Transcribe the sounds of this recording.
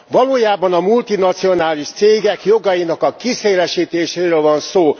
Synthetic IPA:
vɒloːjaːbɒnɒmult̪inɒt̪sijo̞naːliʃt̪seːɡɛkjo̞ɡɒjinɒkɒkiseːlɛʃiːt̪eːʃeːɾøːlvɒnsoː

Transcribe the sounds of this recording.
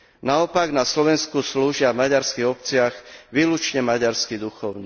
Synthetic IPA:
naɔpaɡnaslɔʋɛnskusluːʒɪavmaɟaɾskiɣɔpt͡sɪaɣʋiːlut͡ʃɲɛmaɟaɾskid̪uxɔʊni

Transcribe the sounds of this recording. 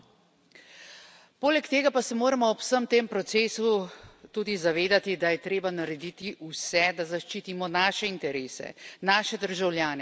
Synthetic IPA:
poːlɛkt̪eːɡapasɛmoːɾamɔɔpsəmt̪eːmpɾɔt̪seːsut̪uːd̪izaʋeːd̪at̪id̪ajɛt̪ɾeːbanaɾɛd̪iːt̪iʔusɛd̪azaʃt͡ʃiːt̪imɔnaːʃɛint̪ɛɾeːsɛ̰naːʃɛd̪əɾʒawljaːnɛ

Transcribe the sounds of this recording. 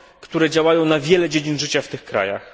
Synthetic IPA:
kt̪uɾɛd͡ʑawajɔ̃w̃navʲjɛlɛd͡ʑed͡ʑinʐɘt͡ɕaft̪ɘxkɾa̰ja̰x

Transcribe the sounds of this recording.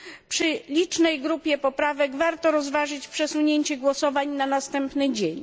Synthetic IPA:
pʂɘlʲit͡ʂnɛjɡɾupʲjɛpɔpɾavɛɡvaɾt̪ɔɾɔzvaʐɘt͡ɕpʂɛswuɲeɲt͡ɕɛɡwɔsɔvaɲnanast̪ɛmpnɘd͡ʑeɲ

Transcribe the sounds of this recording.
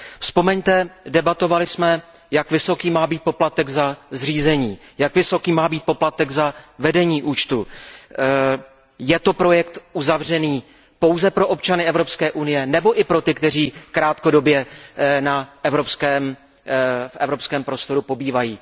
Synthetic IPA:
fspo̞mɛɲt̪ɛdɛbat̪o̞valɪsmɛ | jakvɪso̞kiːmaːbiːt̪̚poplat̪ɛɡzazr̝iːzɛɲiː | jakvɪso̞kiːmaːbiːt̪̚po̞plat̪ɛɡzavɛdɛɲiːʔuːt͡ʃt̪u | jɛt̪o̞pɾo̞jɛkt̪ʔuzavr̝ɛniː | po̞wzɛpɾo̞ʔo̞p̚t͡ʃanɪɛvɾo̞pskɛːʔunɪjɛnɛbo̞ʔɪpɾo̞t̪ɪkt̪ɛr̝iːkɾaːt̪ko̞do̞bjɛnaɛvɾo̞pskɛːm | fɛ̰vɾo̞pskɛːmpɾo̞st̪o̞ɾupo̞biːvajiː

